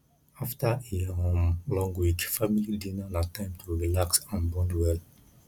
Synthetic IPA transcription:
aftaihõmlɔ̃ŋɡwikfamilidinanatãɪ̃mtʰuɹilaksãnbɔ̃ndwɛl

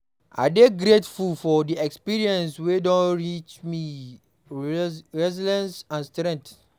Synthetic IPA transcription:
ʔa̰deɡɾetfulfɔdiɛkspiɹiɛ̃nswedɔ̃nɹit͡ʃmi | ɹɛzilɛ̃nsãnstɾɛ̃ŋk̚t

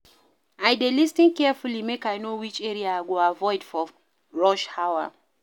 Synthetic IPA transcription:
ajdelistĩnkɛfulimekajnowit͡ʃɛɹiaaɡoavɔɪd̥fɔ | ɹɔʃhawa̰

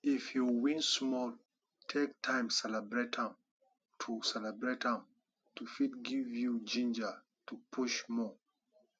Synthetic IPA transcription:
ifjuwĩnsmɔl | tʰek̚tʰãɪ̃msɛlɛbɹetãm | tʰusɛlɛbɹethãm | tufit̚ɡivjud͡ʒĩnd͡ʒə | tʰupʰuʃmɔ

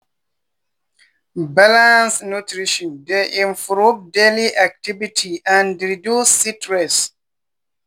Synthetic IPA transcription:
balãnsnutɾiʃɔ̃ndeʔĩɱfɾupdeliʔak̚tivitʰiʔãndɹidjusːitɹɛs

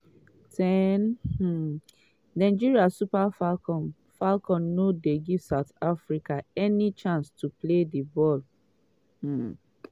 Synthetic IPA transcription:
tʰɛn̩ | nãɪd͡ʒiɹiasupafalkɔ̃n | falkɔ̃nːodeɡivsaʊtafɹikaɛnit͡ʃãnstupledibɔl̩

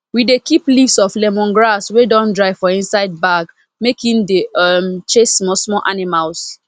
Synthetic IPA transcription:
widekiplifsɔflɛmɔ̃nɡɹaswedɔ̃ndɹaɪfɔĩnsaɪd̚baɡ | mekĩndemt͡ʃesmɔsmɔlʔanimals

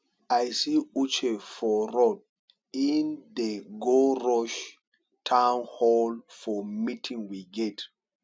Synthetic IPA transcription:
ajsiut͡ʃefɔɾɔd̚ | indeɡoɹɔʃ | tʰãwnhɔlfɔmitʰĩŋwiɡɛt

